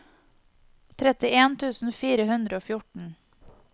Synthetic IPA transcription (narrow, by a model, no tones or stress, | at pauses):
t̪ʰɾɛt̪ɪeːnt̪ʰʉːsn̩fiːɾəhʉnd̪ɾəoːfjʊʈɳ̩